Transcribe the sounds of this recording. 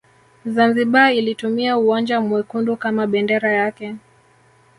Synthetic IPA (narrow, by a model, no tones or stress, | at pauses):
zanziɓailitumiauand͡ʒamwɛkundukamaɓɛndɛɾajakɛ